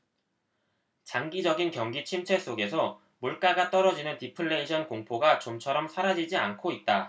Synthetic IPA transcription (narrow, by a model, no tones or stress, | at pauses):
t͡ɕaŋɡid͡ʑʌɡinkjʌŋɡit͡ɕʰimt͡ɕʰwe̞s͈oɡe̞sʰʌ | muɭk͈aɡat͈ʌɾʌd͡ʑinɯntipʰɯɭːe̞iɕʰʌnkoŋpʰoɡat͡ɕomt͡ɕʰʌɾʌmsʰaɾad͡ʑid͡ʑiankʰoit̚t͈a